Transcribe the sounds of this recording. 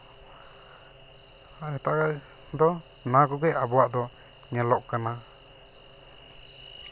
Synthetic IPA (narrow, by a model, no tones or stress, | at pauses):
anɛt̪aʔɡa | d̪ɔ | naɡɔɡɛʔabɔwaʔd̪ɔ | ŋɛlɔʔkana